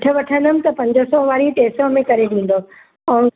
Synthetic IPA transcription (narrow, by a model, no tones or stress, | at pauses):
ʈʰə̆ʋɐʈʰə̃nd̪əm̆t̪ɐpɐ̃ɲd͡ʑosɔʋaːɾiʈeːsɔmẽkɐɾeɗĩːn̆d̪oː | õː